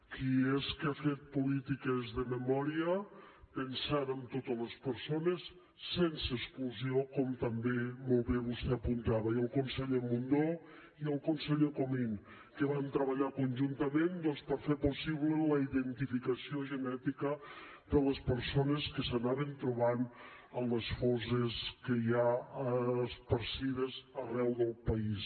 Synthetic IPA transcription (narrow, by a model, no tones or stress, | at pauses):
kieskeafet̪̚polit̪ikezðəmemɔɾiəpensaɾəmt̪ot̪əlespəɾsonesː | enseeskluziokɔmt̪ambemolˠβeβust̪eapunt̪aβaiəlˠkonseʎomund̪o | iəlˠkonseʎokomin | kəβant̪ɾəβəʎakunʲʒunt̪əmend̪ɔnspəɾfeɾpusiβlələiðənt̪ifikəsioʒənɛt̪ikə | d̪ələspəɾsonəskəsənaβənt̪ɾuβan | ənləsfɔsəskəjaː | spəɾsiðəzərɛwðəlˠpəis